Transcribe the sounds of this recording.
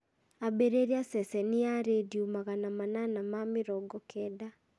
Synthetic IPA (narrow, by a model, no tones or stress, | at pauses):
abeɾeɾiasɛsɛniaɾediumaɣanamananamamɪɾɔɡɔkʰɛda